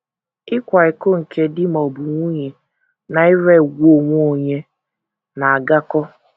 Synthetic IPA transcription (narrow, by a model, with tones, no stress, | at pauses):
ɪ˦kʷa˨ɪ˨ko˦ŋ̩˨ke˦dɪ˦m̩ɔ˨bʊ˨ŋʷu˦ɲe˨ | na˨ɪ˦ɾe˦˨ɡʷo˨ŋʷ˦o˦˨ɲe˦ | na˨a˨ɡa˦kɔ˦